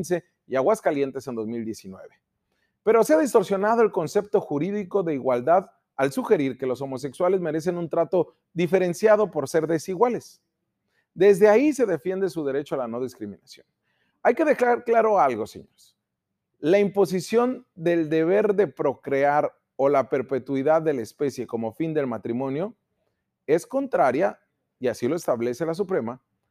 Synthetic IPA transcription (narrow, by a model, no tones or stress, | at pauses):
nse̞ | iaɣwaskalje̞nt̪e̞se̞nd̪o̞zmild̪je̞sinwe̞̰βe̞ | pe̞ɾo̞seaðis̬t̪o̞ɾsjo̞nað̞o̞e̞lko̞nse̞p̚t̪o̞xuɾiðiko̞ðe̞iɣwald̪að | alsuxe̞ɾiɾke̞lo̞s̬o̞mo̞s̬e̞kswale̞zme̞ɾe̞s̬e̞nunt̪ɾat̪o̞ | ðife̞ɾe̞nsjaðo̞po̞ɾse̞ɾðe̞siɣwale̞s | d̪e̞zðe̞aise̞ðe̞fje̞nd̪e̞suðe̞ɾe̞t͡ʃoalano̞ðiskɾimĩnasjon | ajke̞ðekaɾklaɾo̞alɣo̞sḛɲoɾs | laimpo̞s̬isjo̞nd̪eld̪e̞β̞e̞ɾðe̞pɾo̞kɾe̞aɾ | o̞lape̞ɾpe̞t̪wiðaðːe̞laespe̞sje̞ko̞mo̞find̪e̞lmat̪ɾimõ̞njo̞ | e̞sko̞nt̪ɾaɾja | iasilo̞e̞st̪aβle̞se̞las̬upɾe̞ma